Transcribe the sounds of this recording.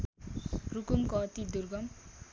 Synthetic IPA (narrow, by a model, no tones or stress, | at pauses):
rukumkʌt̪id̪urɡʌm